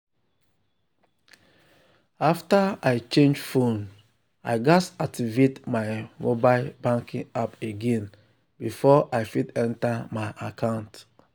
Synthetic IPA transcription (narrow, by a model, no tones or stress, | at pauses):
aftaaɪt͡ʃẽnd͡ʒfõn | aɪɡasak̚tivetmaɪmobalbãŋkĩŋapeɡẽn | bifɔʔajfitɛ̃ntamaɪʔakʰãʊ̃nt